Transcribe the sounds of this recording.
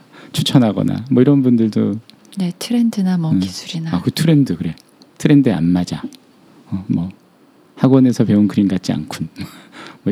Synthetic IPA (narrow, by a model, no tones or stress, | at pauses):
t͡ɕʰut͡ɕʰʌnɦaɡʌ̰na̰mwʌiɾʌnbundɯɭdo̰ | netʰɯɾendɯnamʌisʰuɾinaakɯtʰɯɾe̞ndɯkɯɾe̞ | tʰɯɾe̞ndɯea̰nmad͡ʑa | ʌmwʌ | haɡwʌne̞sʰʌpe̞unkɯɾinɡat̚t͡ɕ͈ia̰nkʰunmʌmʌ